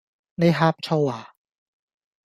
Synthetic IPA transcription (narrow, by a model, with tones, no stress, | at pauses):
na˥˩ɦaː˦˥˩p̚t͡ɕʰa˧˩waː˨˩